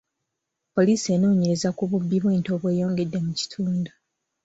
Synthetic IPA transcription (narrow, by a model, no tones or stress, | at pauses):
po̞liːsie̞no̞ːɲeɾe̞zakuβubːiβweːnto̞ːβwe̞ːjo̞ːŋɡe̞dːe̞muci̥tʰuːnda